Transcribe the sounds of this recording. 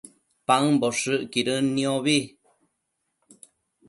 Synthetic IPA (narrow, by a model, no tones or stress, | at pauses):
paŋboʂɨʔkiɾənioβi